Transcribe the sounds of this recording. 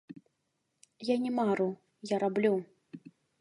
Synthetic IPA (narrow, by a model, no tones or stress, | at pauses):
janʲɛmaɾu | jaɾablʲu